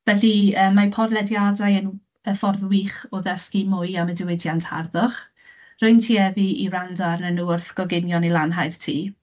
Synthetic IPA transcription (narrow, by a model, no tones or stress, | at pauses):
v̥ɛɬiəːmːapʰɔrlˠɛdjadajən | əfɔrðwiːχɔðɛskimʊjamədɪwɪdjantha̰rðʊχ | rʊjntʰiːɛviḭrandaɾnənuʊrθɡ̥ɔɡɪnjɔnilˠanɦajrtʰiː